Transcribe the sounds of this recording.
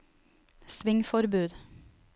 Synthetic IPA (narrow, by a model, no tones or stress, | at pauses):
sʋɪŋfɔɾbʉːd̪